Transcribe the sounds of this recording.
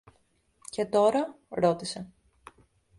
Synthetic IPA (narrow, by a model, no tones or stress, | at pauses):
ce̞t̪o̞ɾɐ | ɾo̞t̪ise̞